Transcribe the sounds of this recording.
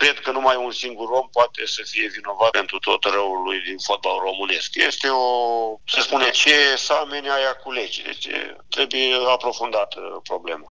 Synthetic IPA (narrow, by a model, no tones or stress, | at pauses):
kɾe̞d̪kənumajunsiŋɡuro̞mpoat̪e̞səfije̞vino̞vape̞nt̪ɾut̪o̞t̪rəulujd̪info̞t̪̚balro̞mɨne̞skje̞st̪e̞osəspunet͡ʃe̞samenajakule̞d͡ʒd̪e̞̰t͡ʃḛt̪ɾe̞bujeapɾo̞fund̪at̪pɾo̞ble̞ma